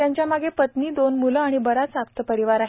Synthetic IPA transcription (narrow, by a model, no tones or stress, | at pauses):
jaɲt͡ɕjamaɡepət̪niːd̪onmuləaɽ̃ibəɾat͡sak̚t̪əpəɾiʋaɾaɦe